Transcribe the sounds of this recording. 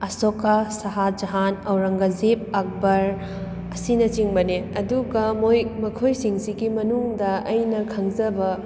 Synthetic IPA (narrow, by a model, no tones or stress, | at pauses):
ɐsokasɐɦad͡ʒɐɦanɐwɾɐŋɡɐzip̚ak̚bɐɾ | ɐsinɐt͡ʃiŋbɐneɐduɡɐmojmɐkʰojsiŋsiɡimɐnuŋdɐɐjnɐkʰɐŋzɐbɐ